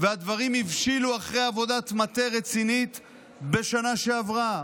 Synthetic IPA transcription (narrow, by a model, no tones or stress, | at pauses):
vead̪vaʁimivʃiluaχʁejavo̞dat̪mat̪e̞ʁet͡sinit̪ | be̞ʃanaʃe̞avʁa